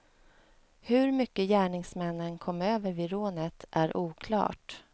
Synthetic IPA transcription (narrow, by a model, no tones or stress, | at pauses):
hɵɾmʏkːəjæːɳɪŋsmɛnːənkʰɔmːøːvəɾvɪɾoːnət̪ʰʔæɾʔuːkʰlɑ̰ːʈ